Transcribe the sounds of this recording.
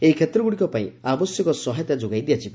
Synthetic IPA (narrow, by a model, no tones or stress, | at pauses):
eikʰet̪ɾɔɡuɽikɔpaĩabɔsjɔkɔsɔɦat̪jad͡ʒoɡajd̪ijat͡ʃʰi